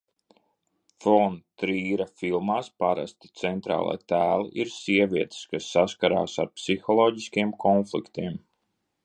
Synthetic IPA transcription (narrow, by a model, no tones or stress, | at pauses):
fɔnt̪ɾiːɾafilˠmaːspaɾa̰st̪i̥t̪sɛnt̪ɾa̰ːlˠa̰ːt̪æːlˠḭʔiɾsiɛvʲiɛt̪skasːaskaɾa̰ːsaɾpsixɔlˠɔːɟiskʲiɛmkʰɔnflˠḭkt̪iɛm